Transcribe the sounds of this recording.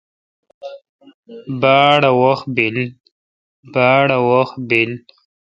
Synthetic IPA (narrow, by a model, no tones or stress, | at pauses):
baːɽawox̚bil | baːɽawoxbil